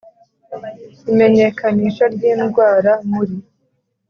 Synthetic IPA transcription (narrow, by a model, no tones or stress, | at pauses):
ime̞ɲe̞kaniːʃaɾɟiːnɡwaːɾamuɾi